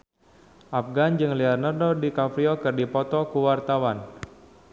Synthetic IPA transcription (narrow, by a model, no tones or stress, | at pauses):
ʔafɡand͡ʒɨŋliarnardodikafɾiɔkɨrdipɔt̪ɔkuwart̪awan